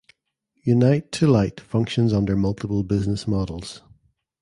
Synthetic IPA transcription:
jʉnaɪtʰəlˠaɪʔfʌ̃ŋkʃə̃nzʌ̃ndə˞mʌlˠtʰɪpəlˠbɪznɪsmɔdəl̩ˠz̥

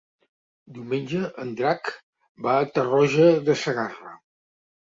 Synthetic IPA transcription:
d̪iwmenʲd͡ʒəʔənd̪ɾak | baət̪ərɔʒəðəsəɣarə̰

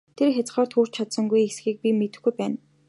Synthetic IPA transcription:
t̪ʰerxʲat͡s̆χɔːrt̪xuːr̥t͡ɕʰat̪sə̆ŋɡujesxiːk̚pʲimet̪ɘ̆xɡujpæːn

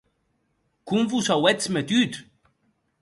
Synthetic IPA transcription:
kumvusawɛt͡smet̪yt̪

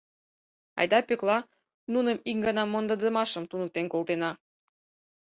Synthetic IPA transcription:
ɑ̰jd̪ɑpøklɑ | nunəmiŋɡɑnɑmːond̪əd̪əmɑʃə̆mt̪unə̆k̚t̪enkolˠt̪enɑ

